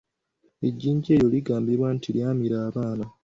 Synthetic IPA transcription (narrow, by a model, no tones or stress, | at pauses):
e̞ɟːiːɲɟeːjoliɡaːmbiɾwantʰiljaːmiɾaːβaːna